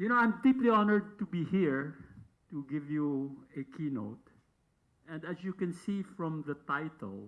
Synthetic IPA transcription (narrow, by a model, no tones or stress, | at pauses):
jɨnoãj̃md̪iplianəɹd̪̚t̪ubihiɹ | t̪uɡɪvjuɛkʰino̰ʊt̪̚ | ʔɛ̃nd̪æsjukɛ̃nsifɹɔ̃mðɐt̪ajt̪ə̰l